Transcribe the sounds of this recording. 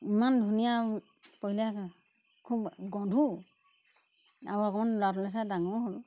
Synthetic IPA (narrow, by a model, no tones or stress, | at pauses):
imandʱunija | poɦila | kʰup̚ɡɔdʱu | aɔakɔmanlatlɛs̬adaŋɔɦol